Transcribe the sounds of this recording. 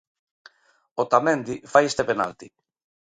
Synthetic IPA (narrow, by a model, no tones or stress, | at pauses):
ot̪amẽnd̪ifajest̪epena̰lt̪i